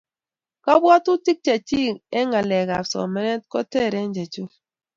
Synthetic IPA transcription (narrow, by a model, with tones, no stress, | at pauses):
ka˦bwɔ˦tu˦ti˦k̚t͡ʃe˨ti˦e˦ŋa˨lɛ˨ɣa˨sɔ̰˨mɛ˦ne˦t̚ko˦te˦˨ɾe˨˦n˦d͡ʒe˨t͡ʃu˦